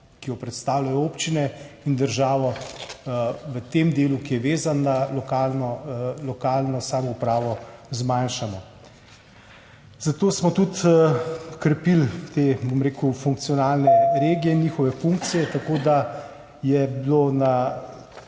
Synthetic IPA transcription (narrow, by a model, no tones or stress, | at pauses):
kijɔpɾɛt̪st̪aːwlʲajɔoːpt͡ʃinɛind̪əɾʒaːʋɔ | ʋət̪emd̪eːlukijɛʋeːzanːalɔkaːlnɔlɔkaːlnɔsaːmɔupɾaːʋɔzmanʃamɔ | z̥at̪oːsmɔt̪ut̪ | kɾɛpilt̪ebomɾeːkufuŋk̚t̪siɔnaːlnɛɾeːɡijɛniːxɔʋɛfuŋk̚t̪sijɛt̪akoːd̪a | jɛbiloːna